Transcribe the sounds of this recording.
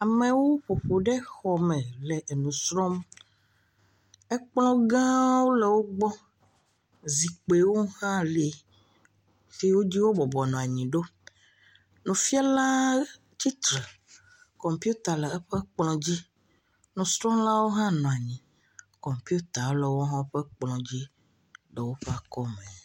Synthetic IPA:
a˨mɛ̃˨wo˦ɸo˨ɸo˨ɖɛ˦xɔ˨mɛ̃˨lɛ˨ʔe˨nũ˨sɾɔ˦m | ɛ˦k͡plɔ̃˦ɡã˦wo˦lɛ˨wo˦ɡ͡bɔ˦ | zi˨k͡pe˨wo˦hã˦le˨ | te˦wo˦d͡ʑi˦wo˦bɔ˨bɔ˨nɔ̃˨a˨ɲĩ˨ɖo˦ | nũ˨fi˦a˦la˦ | t͡ɕi˦t̪ɾɛ˨ | kɔ˨mpi˦u˦t̪a˨lə˨ɛ˦ɸɛ˦k͡plɔ̃˨d͡ʑi˦ | nũ˨st̪ɾɔ̃˦la˦wo˦ɦã˦nɔ̃˨a˨ɲĩ˨ | kɔ˨mpi˦u˦t̪a˨˦lɛ˨wo˦ɦɔ̃˦ɸɛ˦k͡plɔ̃˨d͡ʑi˦ | ɖə˨wo˦ɸɛ˦a˨kɔ˦mɛ̃˨

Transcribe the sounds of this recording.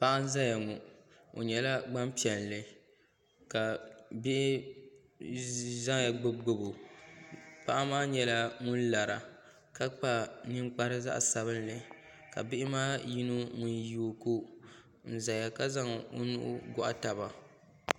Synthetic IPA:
pa˦ʔa˦n̩˦za˦ja˨ŋu˨ | o̰˨ɲɛ˨la˦ɡ͡ba˦mpi˨ɛ˨llɨ˨ | ka˨bɪ˦ʔɪ˦ | za˦ŋja˨ɡ͡bɨ˦ɡʊ˨bo˨ | pa˦ʔa˦maː˦ɲɛ˨la˦ŋʊ˦n˦la˨ɾa̰˨ | ka˦k͡pa˦˨nɨ˦ŋk͡pa˦ɾɨ˦za̰˦ʔsa˨βɨ˦nlɨ˨ | ka̰˨bɪ˦ʔɪ˦maː˦ji˦no˦ŋu˦˨nju˦˨ko˦ | n̩˦˨za˨ja˨ka˦za˦ŋo̰˦nʊ̰˦ʔʊ̰˦ɡɔ˦ʔa̰˦ta˨ba˨

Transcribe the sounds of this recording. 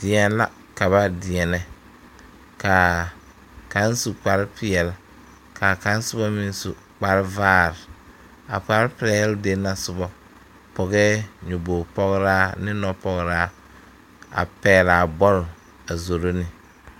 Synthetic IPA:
d̥ɪ˨ɛ˨˦la˦ | ka˨βa˦dɪ˨ɛ˨nɛ˨ | ka˨ | ka˨˦n˦su˨k͡pa˨ɾɪ˦pɪ˨ɛ˨l | kʰa˨ka˨˦n˦sʊ˦bɔ˦mĩ˦n˦sṵ˨ | k͡pa˨ɾɪ˦vaː˦˨ɾɪ˨ | a̰˨pa˨˦ɾɪ˦pɪ˨ɾɛ˨jɛ˦lde˦na˨sʊ˨bɔ˦ | pɔ˨ɣɛ˦ɲʊ˨bo˨pɔ˦ɣɾaː˦nɪ˦nɔ˦pɔ˨ɣɾaː˦ | a̰˨pɛː˦la˨bɔ˦ɾʊ˨ | a˨zo˨ɾo˦nɪ˦

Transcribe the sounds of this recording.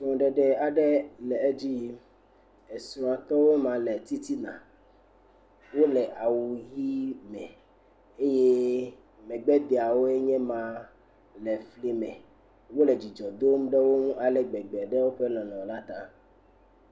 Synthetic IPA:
sɔ̃˨ɖɛ˨ɖɛ˦a˨ɖɛ˦lɛ˨e˦d͡ʑi˦ | e˨sũ˨a˨t̪ɔ˦wo˦mã˨lɛ˨t̪i˦t̪i˦nã̰˨ | wo˦lɛ˨ʔa˨wu˨ji˦mɛ̃˨ | e˦je˦ | mɛ̃˨ɡ͡bɛ˦d̪e˨a˨wo˦e˦ɲɛ̃˦mã˨ | lɛ˨fle˦mɛ̃˨ | wo˦lɛ˨d͡ʒi˨d͡ʒɔ˨d̪o˦mũ˦ɖɛ˦wo˦mũ˦ʔa˨lɛ˨ɡ͡bɛ˨ɡ͡bɛ˨ɖɛ˦wo˦ɸɛ˦nɔ̃˨nɔ̃˨la˦t̪ã˦

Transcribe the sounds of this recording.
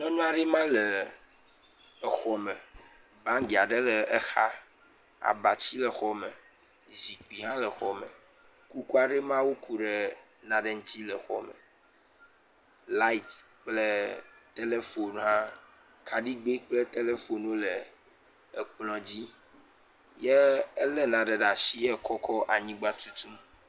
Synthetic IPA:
nɔ̃˦nũ˦a˨ɖi˦mã˦le˨ | xɔ˨me˨ | bã˦ŋɡi˨a˨ɖe˦le˨e˦xa˦ | a̰˨ba˨t͡ɕi˦lɛ˨xɔ˨me˨ | zi˨k͡pi˨ɦã˦lə˨xɔ˨mḛ̃˨ | ku˦ku˦a˦ɖe˦mã˦wo˦ku˨ɖe˨ | nã˨ɖe˦ŋ̩˦t͡ɕi˦lɛ˨xɔ̰˨mḛ˨ | la˦i˦˨t̪ | k͡ple˦t̪e˦le˦fo˨nɦã˦ | kʰa˨ɖi˦ɡ͡be˦k͡ple˦t̪e˦le˦fo˨nwo˦lɛ˨ | k͡plɔ̃˨d͡ʑi˦ | je˦ɛ˦lɛ˦nã˨ɖe˨ɖa˨si˦ɛ˦kʰɔ˦kʰɔ˦ʔa˨ɲĩ˦ɡ͡ba˦t̪u˦t̪u˦m

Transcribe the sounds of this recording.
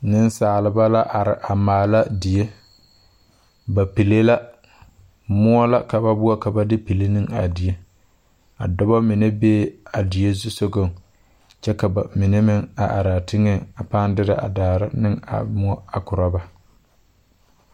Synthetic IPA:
nɪ˦nsaː˨lɪ˨ba˦la˦ʔa˨ɾɪ˨ʔa˨maː˨la˦dɪ˨je˦ | ba˨pi˨le˦la˦ | mʊ˦ɔ˦la˦ka˨ba˦bʊ˦a˦ka˨ba˦dɪ˦pi˨le˦nɪ˦ŋa˨dɪ˨je˦ | a˨dɔ˦bɔ˦mɪ˨ne˦beː˦a˨dɪ˨je˦zʊ˦so˦ɡo˦˨ŋ | t͡ʃɛ˦ka˨ba˨mɪ˨ne˦mɪ˦ŋa˨ʔa˨ɾa˨tɪ˦ŋe˦a˨pa˦ndɪ˦da˨ʔa̰˨daː˨ɾɪ˦nɪ˦ŋa̰˨mʊ˦ɔ˦a˨kʊ˨ɾa˦ba˨

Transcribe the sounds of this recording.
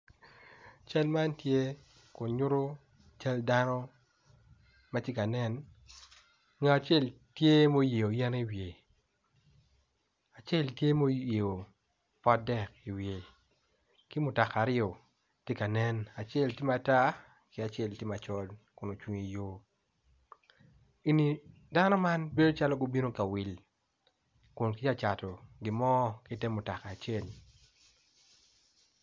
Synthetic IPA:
t͡ʃa˦lma˦ntje˦ | ko˨ɲʊ˦ɾo˦ | t͡ʃa˦lda˦nɔ˦ | ma˦tje˦ka˨nɛ˦n | ŋa˨a˨t͡ʃe˦˨l | tje˦mo˦je˨o˨jɛ˦ni˨wje˨ | a˨t͡ʃe˦˨ltje˦mo˦je˨o˨ | pɔ˦dɛ˨ki˨wje˨ | ki˦mʊ˨ta˨ka˨ɾɪɔ˨ | te˦ka˨nɛ˦na˨t͡ʃɪɛ˦˨lti˦ma˨ta˦ | kɪ˦a˨t͡ʃɛ˦˨lti˦ma˨t͡ʃɔ˦lkʊ˨no˨t͡ʃwu˨ŋi˨jo˦ | i˨ni˨ | da˦nɔ˦ma˦nbe˦do˦t͡ʃa˦lɔ˦ɡo˦bi˦no˦ka˨wɪ˨l | kʊ˨nkɪ˦t͡ʃa˦t͡ʃa˨tɔ˨ɡɪ˨mɔ˦kɪ˦tɛ˦mʊ˨ta˨kaː˨t͡ʃɛ˦˨l

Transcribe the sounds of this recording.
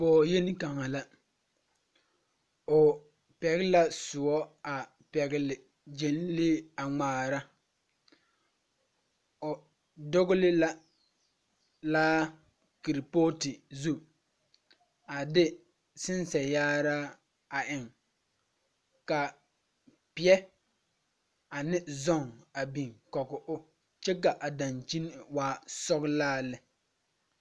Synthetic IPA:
pɔː˨je˦ni˦ka˨ŋa˨la˦ | ʊ˨ | pɛ˨ɣɪ˦la˦sʊ˨ɔ˦a˨ | pɛ˨ɣɪ˦lɪ˨ | d͡ʒe˨n˦lɪ˦a˨ŋ͡maː˨ɾa˦ | ʊ˨ | dʊ˦ɣʊ˦lɪ˦la˦ | laː˦ | ki˨ɾi˨poː˦tɪ˨zu˦ | a˨dɪ˦ | sɪ˦nsɛ˨jaː˦ɾaː˦ | a˨ʔɪ˨ŋ | ka˨ | pɪ˨ɛ˦ | a˨nɪ˦zɔ˦˨ŋa˨bi˨ŋkɔ˨kʊ˨ʔʊ˦ | t͡ʃɛ˦k̬a˨ʔa˨da˨nt͡ʃi˦n˦˨waː˦sɔ˦ɣlaː˦lɪ˦

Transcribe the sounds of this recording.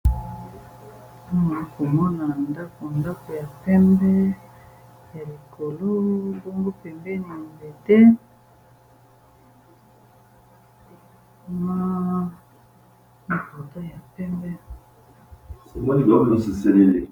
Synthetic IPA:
ma˨˦ko˨mɔ˦na˨nda˦ko˨nda˦ko˨ja˨pɛ˦mbɛ˦ | ja˨li˨ko˨lo˦bo˦ŋɡo˦pɛ˨mbɛ˦na˨mbe˨te˦ | ma˦ | na˦ko˨to˦ja˨pɛ˦mbɛ˦ | so˨mɔ˦ni˦˨ɡa˨˦o˦˨ni˦so˨se˦le˦le˨

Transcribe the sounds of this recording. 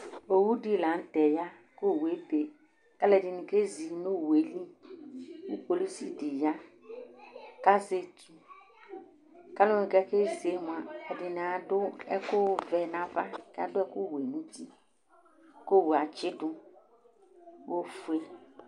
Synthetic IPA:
o˨wu˦di˦˨la˨n̩˦tɛ˨ja˦ | ko˦˨we˨˦be˨ | ka˦lɛ˨dɪ˨nĩ˨ke˦zi˨no˦˨we˨˦li˦ | wṵ˦po˨li˦si˦dɪ˨ja˦ | ka˦ze˦˨tu˨ | ka˦lʊ̃˦nɪ̃˨kɛ˦ke˦ze˨˦m˨a˨ɛ˨dɪ˨nɪ˨a˨dʊ˦ɛ̰˦kʊ˦vɛ˨nã˨va̰˦˨kɛ˦a̰˦dʊ˦ɛ˦kʊ˦˨we˨nũ˦ti˦ | ko˦˨wa˨t͡ʃɪ˦dʊ˦ | wo˦fu˦e˦

